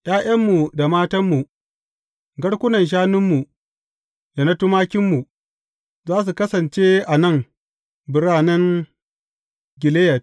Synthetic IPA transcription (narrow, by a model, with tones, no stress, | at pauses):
ʔʲaː˦ʔɐ˦mːu˨da˨maː˦tɐ˦mːu˨ | ɡɐ˦ɽkʷʊ˦nɐ˨nʃ̬aː˦nʊ˦mːu˨ | da˨na˦tʊ˦maː˦kʲɪ˦mːu˨ | zaː˦s̬u˨kɐ˦sɐ˨nt͡ʃe˦ʔa˨nɐ˦˨ŋ | bɪ˨ɽaː˦nɐ˦ŋ | ɡʲɪ˨le˦jɐ˨t̚